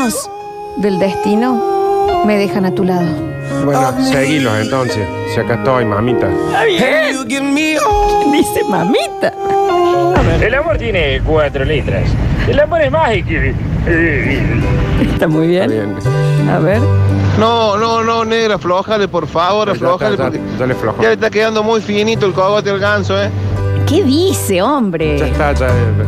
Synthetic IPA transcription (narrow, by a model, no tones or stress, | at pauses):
s | d̪eld̪est̪inomeðexanat̪ulaðo | bwenoseɣilosent̪onsessiakat̪oajma̰mit̪a̰aβjeukjenmiod̪isemamit̪a | aβeɾelamoɾt̪jenekwat̪ɾolit̪ɾa̰selamoɾesmahikiβi | iest̪amujβjenβḛna̰βeɾnonononeɾafloxalepoɾfaβoɾafloxaleoɾked͡ʒaleflo̰xʒalest̪akeðand̪omujfinit̪oelkoɣot̪ealɣansoekeðiseombɾeʒat̪ad͡ʒae